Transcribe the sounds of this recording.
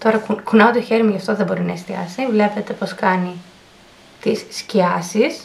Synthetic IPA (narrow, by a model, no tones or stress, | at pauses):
t̪o̞ɾɐkukunɐot̪ioçe̞ɾimɐʝɐft̪o̞ðebo̞ɾinɐest̪iɐ̰sivle̞pe̞t̪e̞po̞skɐni | t̪isːciɐsis